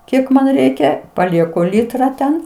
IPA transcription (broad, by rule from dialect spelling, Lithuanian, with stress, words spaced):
ˈkʲiɛk mɐn ˈrʲɛɪkʲɛ pɐˈlʲiɛkʊ ˈlʲɪtrɐ ˈtʲɛn